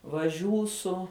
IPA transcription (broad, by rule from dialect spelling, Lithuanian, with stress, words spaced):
ʋɐˈʒʲuːsʊ